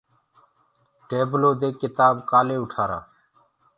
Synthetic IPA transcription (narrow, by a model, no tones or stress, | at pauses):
ʈeːbloːd̪eːkɪt̪aːbkaːleːʊʈʰaːɾa̰ː